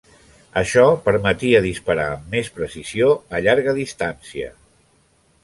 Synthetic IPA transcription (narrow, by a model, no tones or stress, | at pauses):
əʃɔpəɾmət̪iəðispəɾa̰əmːespɾəsizioəʎaɾɣəðist̪ansiə̰